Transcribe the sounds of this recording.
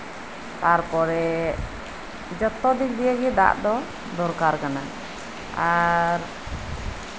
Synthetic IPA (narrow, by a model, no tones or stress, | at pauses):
t̪aɾpɔɾɛ | d͡ʒɔt̪ːɔd̪ik̚d̪ijəɡɛd̪a̰ʔd̪ɔ | d̪ɔɾkaɾkana | aɾ